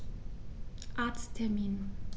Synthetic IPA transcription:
ʔaɐtstʰːɛɐmiːn

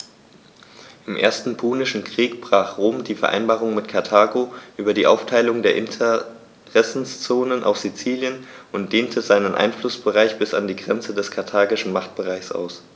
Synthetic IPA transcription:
ʔɪmʔḛːɐstn̩pʰuːnɪʃn̩kʁ̥iːkb̥ʁ̥aːχʁ̥oːmdiːfɛɐʔa̰ɪnbaːʁʊŋmɪtkʰaɐtʰaːɡoʔyːbɐdiːʔa̰ʊftʰaɪlʊŋdeːɐʔɪntʰə | ʁɛsn̩st͡soːnənʔa̰ʊxz̥it͡siːljənʔʊntd̥eːntʰəzaɪnənʔa̰ɪnflʊsb̥əʁaɪçb̥ɪsa̰ndiːɡʁɛnt͡sədɛskʰaɐtʰaːɡɪʃn̩maχt̚b̥əʁaɪçsʔa̰ʊs

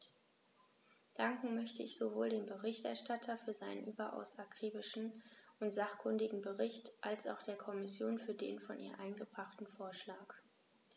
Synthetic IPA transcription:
d̥aŋkŋ̩mœçtəɪçz̥ovoːldeːmbəʁɪçtɛɐʃtatʰɐfyːɐzaɪnənʔyːbɐʔa̰ʊsakʁ̥iːbɪʃn̩ʔʊntz̥aχkʰʊndɪɡŋ̩bəʁɪçtʔalsʔa̰ʊxd̥eːɐkʰɔmɪsjoːnfyːɐdḛːnfɔnʔḭːɐʔaɪnɡəbʁaχtn̩foːɐʃlaːk

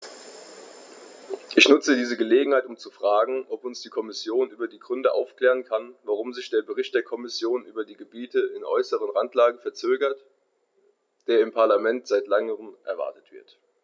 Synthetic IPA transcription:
ʔɪçnʊt͡sədiːzəɡəleːɡŋ̩haɪtʊmt͡sufʁ̥aːɡŋ̩ʔɔpʊnsd̥iːkʰɔmɪsjoːnʔyːbɐdiːɡʁʏndəʔa̰ʊfkl̥ɛːʁ̞ənkʰanvaʁʊmzɪçd̥eːɐbəʁɪçt̚d̥eːɐkʰɔmɪsjoːnʔyːbɐdiːɡəbiːtəɪnʔɔ̰ʏsəʁ̞ənʁantlaːɡəfɛɐt͡søːɡɐt | d̥eːɐɪmpʰaɐlamɛntz̥aɪtlaŋəʁəmʔɛɐva̰ɐtə̥tv̥ɪ̰ɐt

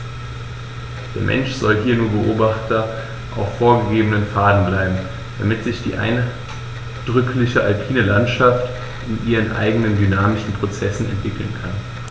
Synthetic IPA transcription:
d̥eːɐmʔɛ̰nʃz̥ɔlɦiːɐnuːɐbəʔoːbaχtʰɐ | ʔaʊfːoːɐɡəɡeːbənənfaːdn̩blaɪbm̩ | d̥amɪtz̥ɪçd̥ḭːʔa̰ɪn | d̥ʁʏkʰlɪçəʔalpʰiːnəlantʃaft | ʔɪnʔiːʁ̞ənʔa̰ɪɡənəndynaːmɪʃn̩pʁ̥ot͡sɛsn̩ɛ̰ntv̥ɪkl̩nkʰan

